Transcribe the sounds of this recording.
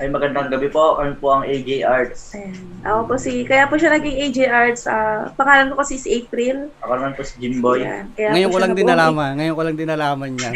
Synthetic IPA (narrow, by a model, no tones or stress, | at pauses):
ʔɐjmɐɡɐnd̪ɐŋɡɐbɛpokɐjonpoɐŋʔejd͡ʒejʔaɹd̪sɐjanʔɐʔoposikɐjapoʃanɐɡiŋʔejd͡ʒejʔaɹd̪sʔaːpɐŋaːlɐnkokɐsisʔepɾilʔɐkonɐmɐnposi̥d͡ʒɪmboj̰kɐjaŋɐjoŋkolɐŋd̪ɪnɐlaːmɐnŋɐjoŋkolɐŋd̪ɪnɐlaːmɐnɲa